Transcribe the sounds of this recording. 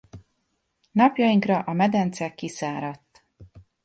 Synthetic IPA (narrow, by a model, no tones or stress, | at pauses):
nɒpjɒjiŋkrɒʔɒmɛd̪ɛnt̪sɛkːisaːɾɒt̪ː